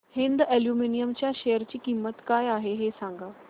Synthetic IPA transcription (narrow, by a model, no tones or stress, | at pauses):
hind̪eljuminijəmt͡ɕjaɕejəɾt͡ɕiːkimːət̪kajaɦeɦesãŋɡaː